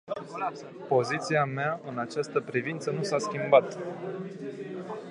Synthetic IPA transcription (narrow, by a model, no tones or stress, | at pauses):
po̞zit̪siameaɨnat͡ʃast̪əpɾivint̪sənusaskʲimbat̪